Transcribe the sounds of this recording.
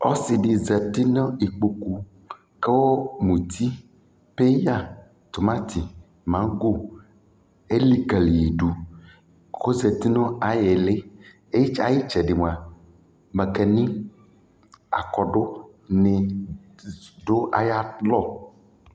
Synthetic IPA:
o˦si˨ɖi˨zɛ˨t̪i˦nɔ̃˦i˨k͡pu˨ku˨ | ke˦wo˦mũ˨t̪ʰi˦ | pe˦ja˦˨ | t̪o˨mã˦t̪i˨ | mã˨˦ɡo˦˨ | e˦li˦ɡa˨li˨ji˨ɖu˨ | xo˦ze˨t̪i˦nɔ̃˦a˨je˨le˦ | e˦ji˦t͡ʃa˨ji˦t͡ʃɛ˨ɖi˨mũ˨a˨ | mẽ˨ke˨nĩ˦ | a̰˨kɔ˨ɖo˦ | nẽ˨ | ɖo˦ʔa̰˨ja˦lɔ˦

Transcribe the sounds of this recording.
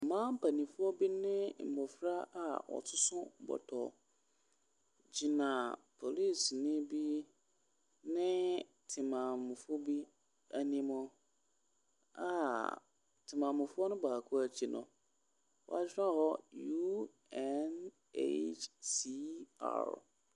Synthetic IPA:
m̩˨mãː˦m̩˦pʰa˨nĩ˨fʊ˦ɔ˦bi˦nɪ̃˦m̩˨bɔ˨fɾa˦a˨wɔ̰˨tʰʊ˦sʊ̃˦m̩˨bɔ̰˨tʰɔ̰˨ | d͡ʑi˨nã˨pʰo˨li˦˨snɪ̃˦bi˦ | nɪ̃˦ | tʰɪ˨mã˨mʊ̃˨fʊ˦bi˦ | æ˨nĩ˨mɔ̃˨ | a̰˨ | tʰɪ˨mã˨mʊ̃˨fʊ˦ɔ˦nʊ̃˦baː˨kʰʊ˦æ˨t͡ɕʰi˨nʔʊ̰̃˨ | wɔ̰˨a˨d͡ʑᶣã˦˨hɔ˦ju˦ | ɛ˦n | ḛ˦t͡ʃsi˦a̰˦˨ɾ

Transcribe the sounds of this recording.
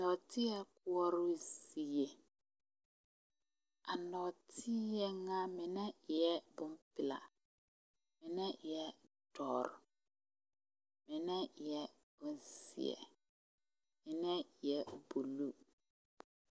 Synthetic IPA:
nɔ˨tʰi˦ɛ˦k̚ʊ˦ɔ˦ɾʊ˦zi˨je˨ | a̰˨nɔ˨tʰi˦jɛ˦ŋã˦mɪ̃˨nɛ̃˦˨jɛ˦bʊ˦m˦pɪ˨la̰˨ | mɪ̃˨nɛ̃˦˨jɛ˦ | dɔ̰˨ɾ | mɪ̃˨nɛ̃˦˨jɛ˦ | b̥ʊ˨n˦sḭ˨ɛ̰˨ | mɪ̃˨nɛ̃˦˨jɛ˨bu˨lu˦

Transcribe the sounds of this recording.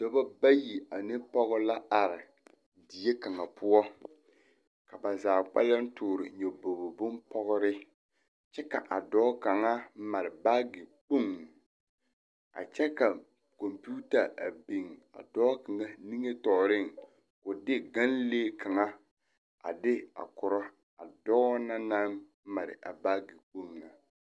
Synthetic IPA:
d̥ɔ˦ba˦ba˦ji˨a˨nɪ˦pɔ˦ɣʊ˦la˦a˨ɾɪ˨ | di˨je˦ka˨ŋa˨pʰʊ˦ɔ˦ | ka˨ba˨zaː˨k͡pa̰˦la˦n̩˦tʊː˨ɾɪ˨ɲɛ˨bo˨bo˨bʊ˦npɔ˦ɣʊ˦ɾɪ˦ | t͡ʃɛ˦ka̰˨ʔa˨dɔː˦ka˨ŋa˦ma˨ɾɪ˨ba˦ɡɪ˨k͡po˦ŋ | a̰˨t͡ʃɛ˦ka˨ | ko˨mpu˦ta˨ʔa˨bi˨ŋa̰˨dɔː˦ka˨ŋa˦ni˦ŋe˦tɔ˨ɾɪ˦˨ŋ | kʊ˨dɪ˦ɡa˦nleː˦ka˨ŋa˦ | a̰˨dɪ˦a̰˨kʊ˨ɾɔ˦ | a˨dɔː˦na˦na˦m | ma˨ɾɪ̰˨ʔa̰˨baː˦ɡɪ˨k͡po˦ŋna˨

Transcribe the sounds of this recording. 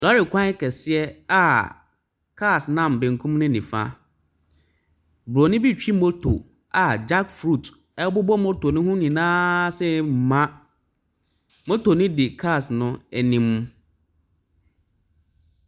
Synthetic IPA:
dɔ˦ɾɪ˨kʷʰã˦kʰɛ˨sɪ˦ɛ˦a˨ | kʰa˦˨snã˦˨m˨bẽ˨ŋ˨kʰũ˦mnʊ̃˦nĩ˨fa̰˦ | bɾo˨nɪ̃˦bi˦˨t͡ɕᶣi˦mo˦tʰo̰˨ | a˨d͡ʑa˦kfɾu˦˨t | ɛ˦bʊ˦bɔ˦mo˦tʰo˨nʊ̃˦ɦũ˦nĩ˨nãː˦sɛ˦m̩˨mã˦ | mo˦tʰo˨nʊ̃˦dɪ˨kʰa˦˨snʊ̃˦ɛ˨nĩ˦m

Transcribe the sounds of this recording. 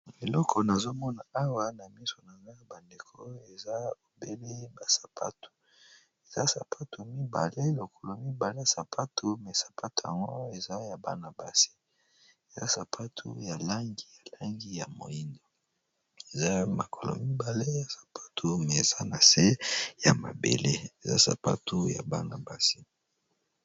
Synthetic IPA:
e˨lɔ˦kʰo˨na˨zo˦mɔ˦na˨a˦wa˦na˨mi˦so˨na˨za˦ba˨nde˨kʰo˦e˨za˦o˨be˦le˦ba˨sḁ˨pʰa̰˦tu̥˨ | e˨za˦sa˨pʰa˦tu˨mi˦ba̰˨le˦lo˨kʰo˨lo˨mi˦ba˨le˦ja˨sa˨pʰa˦tʰu˨mɛ˨sḁ˨pʰa˦tu˨ja̰˨ŋɡo˦e˨za˦ja˨ba̰˨na˨ba˨si̥˦ | e˨za̰˦sa˨pʰa˦tʰṵ˦ja˨la˦ŋɡi˨ja˨la˦ŋɡi˦ja˨mo̰˨i˦ndo˨ | e˨za˦ma˨kʰo˨lo̰˨mi˦ba˨le˦ja˨sḁ˨pʰḁ˦tʰu˨mɛ˨e˨za˦na˨se˦ja˨ma̰˨bḛ˨le˦e˨za̰˦sa̰˨pa̰˦tʰu˦ja̰˨ba˦na˨ba˨si˦

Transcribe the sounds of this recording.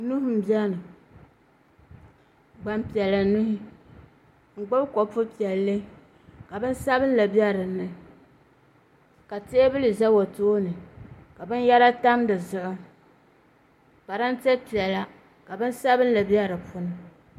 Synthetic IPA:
nu˦hʊ˦m̩˦bjɛ˦nɨ˨ | ɡ͡ba˨mpi˨ɛ˨la˨nu˦hʊ˦ | ŋ̩˨ɡ͡ba˦bko˨pʊ˦pi˨ɛ˨lːɨ˦ | ka˨bɨ˦n˦sa˦bɨ˦n˦la˨bɛ˦ɾɨ˨nɨ˨ | ka˨te˦bɨ˦lɨ˨za˦wo˨toː˦nɨ˨ka˨bɨ˦n˦ja˦ɾa˦ta˦mdɨ˨zʊ˨ʔʊ˦ | pa˨ɾa˦n̩˦tɛ˦pi˨ɛ˨la˦ | ka˨bɨ˦n˦sa˦bɨ˦n˦la˨bi˦ɛ˦ɾɨ˨pʰʊ˦nɨ˨

